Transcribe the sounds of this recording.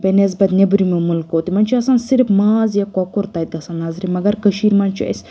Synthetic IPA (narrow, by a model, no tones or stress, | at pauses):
bɛnezbɐt̪nʲebɾimemulkot̪imɐnʲt͡ʃʰiɐsansiɾfmaːzjakɔkʊɾt̪ɐjt̪ɐsɐnːaːzɾimɐɡɐɾkəʃiːɾmɐnt͡ʃʰiɐ̰sʲ